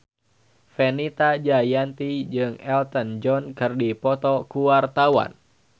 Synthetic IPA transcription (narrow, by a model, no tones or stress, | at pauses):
fɛnit̪ad͡ʒajant̪id͡ʒɨŋɛlt̪ənd͡ʒɔnkɨrdipɔt̪ɔkuwart̪awa̰n